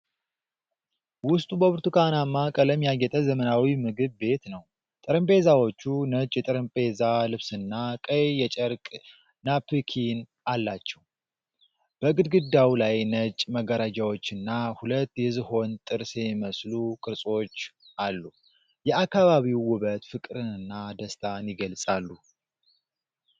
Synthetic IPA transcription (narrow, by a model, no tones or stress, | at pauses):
wʊst̪ʼubəbɨɾt̪ʰukʰanamːakʼələmːijaɡɛt̪ʼəzəmənawimɨɡɨβbe̞t̪nəw | t̪ʼɨɾəmpʼe̞zawo̞t͡ʃːunət͡ʃʼjɛt̪ʼɨɾɨmpʼe̞zalɨβsɨnːakʼəjjɛt͡ʃʼəɾkʼ | napʰɨkʰin | alːat͡ʃːɛw | b̥əɡɨd̪ɡɨd̪ːawlajnət͡ʃʼməɡəɾad͡ʒawo̞t͡ʃːɨnːahulət̪ːjɛzɨho̞nt̪ʼɨɾsɛmiməslukʼɨɾsʼo̞t͡ʃː | ʔalːu | jɛakːaβaβiwːʊβət̪fɨkʼɾɨnɨnːad̪əst̪ʰanjɪɡəlsʼalːu